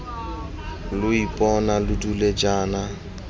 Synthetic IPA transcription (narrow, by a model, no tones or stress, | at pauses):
lʊipʼɔnalʊduled͡ʒaːna